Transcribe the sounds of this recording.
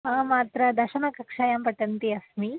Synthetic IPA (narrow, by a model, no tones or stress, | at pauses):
aːmaːt̪ɾɐd̪ɐɾʃɐnɐkɐkʂaːjaːmpɐʈɐnt̪iɐsmi